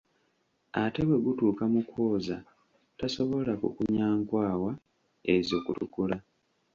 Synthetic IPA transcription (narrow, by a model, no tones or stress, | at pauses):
ate̞βwe̞ɡutuːkamukʰoːza | taso̞βo̞lakṵkuɲaːŋkwaːwa | ezo̞ːkutṵkula